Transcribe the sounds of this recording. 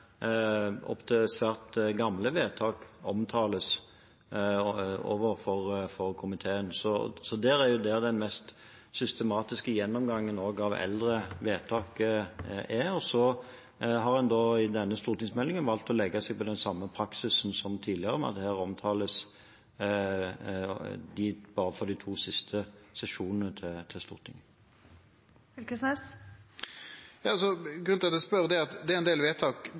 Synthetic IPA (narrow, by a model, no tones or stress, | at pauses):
ɔ̰pt̪ʰɛsʋæːʁt̪ɡɑmləʋeːt̪ʰɑːkɔmt̪ʰɑːləs | o̰ːʋəɾfɔʁfɔʁkʰʊmɪt̪ʰeːənsɔsɔd̪æːɾæɾjʊd̪ɛːd̪ɛnmɛst̪ | sʏst̪əmɑːt̪ɪskəjɛnːɔmɡɑŋːənoːɡɑʋɛ̰ld̪ɾəʋeːt̪ʰɑːk | æɔsɔ | ɦɑʁhɛnd̪ɔɪd̪ɛnːəst̪uːʁt̪ɪŋsmɛlːɪŋənʋɑlt̪ɔlɛɡːɑsɛɡ̚pʰɔd̪ɛnsɑmːəpʰʁɑksɪsn̩sɔmt̪ʰiːd̪lɪəʁəmɑ̰d̪ɛhæːʁɔmt̪ʰɑːləs | d̪iːbɑːɾəfɔʁd̪ɪt̪ʰuːsɪst̪ʰəsɛʃuːnənət̪ʰɪt̪ʰɪlst̪ṵːʁt̪ʰɪ̰ŋ | ɪkəsnæs | jɑːɑsɔɡɾʉnt̪ʰɪlɑt̪d̪ɛspœʁd̪ɛɑt̪d̪ɛɛnd̪eːlʋeːt̪ʰɑːk